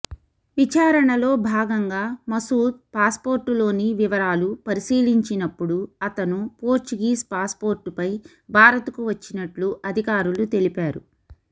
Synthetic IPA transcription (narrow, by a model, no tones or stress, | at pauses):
ʋit͡ʃaːɾɐɳɐlo̞ːbʱaːɡɐŋɡaːmɐsuːd̪̚paːspo̞ːɾʈulo̞ːniʋiʋɐɾaːlupɐɾisiːliɲt͡ʃinɐpːuɽuɐt̪ɐnupoːɾt͡ʃuɡiːspaːspo̞ːɾʈupɐj | bʱaːɾɐt̪ukuʋɐt͡ʃːinɐʈluʔɐd̪ʱikaːɾulut̪e̞lipaːɾṵ